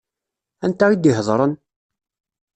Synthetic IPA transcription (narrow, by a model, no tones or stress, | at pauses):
ænt̪æid̪iɦzˤɾˤən